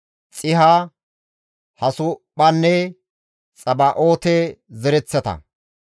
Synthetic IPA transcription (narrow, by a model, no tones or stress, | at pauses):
t͡sʼɪɦa | hɐsʊpːɐnːɛ | t͡sʼɐbaʔoːt̪ezɛɾɛt͡sːɛt̪ɐ̰